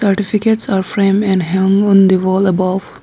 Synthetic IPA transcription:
səɾʈɪfɪkeʈsaːɾfɾẽːmɛ̃ɳɖɦʌ̃ŋɔ̃nd̪iʋɔːləbɔʋ

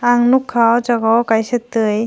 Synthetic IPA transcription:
aŋnukʰːawd͡ʒaɡɔwkajsɯtːɯj

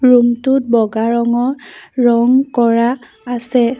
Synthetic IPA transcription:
ɹumtut̚bɔɡaɹɔŋɔɹɔŋkɔɹaː | sɛ

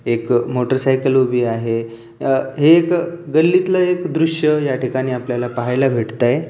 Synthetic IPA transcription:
ekmoʈəɾsajkəlobʱiːaɦe | ɦeːkɡəlːit̪ləekd̪ɾuʂjəjaʈikaɽ̃iːapljalapaɦajlabʱeʈt̪aj

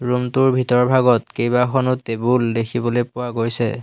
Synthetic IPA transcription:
ɹumtuɹbʱitɔɹbʱaɡɔtkejbaxʰɔnʊtebuldekʰibɔlojpʊwaɡojsɛ̰

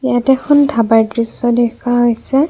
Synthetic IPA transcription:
jatɛkʰɔndʱabaɹdɹisːɔdɛkaɦojsɛ

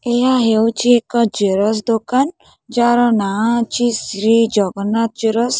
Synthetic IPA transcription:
ejaɦewt͡ʃiekɔd͡ʒeɾɔs̬d̪okan | d͡ʒaɾɔnat͡ʃisɾid͡ʒɔɡɔnat̪̚d͡ʒeɾɔs

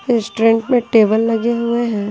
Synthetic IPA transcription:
ɾɪsʈɾɛ̃ɳʈmẽʈeːbəlːɐɡeɦueɦɛ̃ː

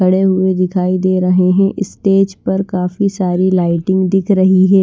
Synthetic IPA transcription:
ɐɽeɦʊed̪ɪkʰaːid̪eːɾɐɦeɦɛ̃ʔɪsʈeːd͡ʒpɐɾkaːfisaːɾilaːɪʈɪ̃ŋɡd̪ɪkʰɾɐɦiɦɛː

